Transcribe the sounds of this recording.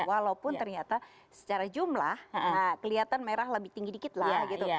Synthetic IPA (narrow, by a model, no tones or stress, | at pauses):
walaupʊnt̪ərɲat̪a | sə̥t͡ʃaɾad͡ʒumlahəkəliat̪anmeɾahləbɪht̪iŋɡidikɪt̪laɡit̪u